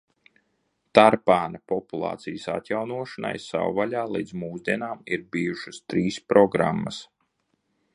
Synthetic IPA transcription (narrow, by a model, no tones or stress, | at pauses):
t̪aɾpaːnapɔpulˠɑ̰ːt̪sijəsa̰t̪ʲjawnuɔʃana̰jsa̰wvalʲaːlˠḭːd̪zmuːzd̪iɛnaːmiɾbiːjuʃɨst̪ɾiːspɾɔɡɾa̰mːɐs